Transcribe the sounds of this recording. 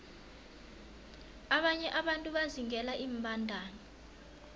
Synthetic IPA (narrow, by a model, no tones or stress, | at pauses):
aɓaɲɛʔaɓantʼuɓaziŋɛlaʔiːm̩ɓʱandʱaːnɔ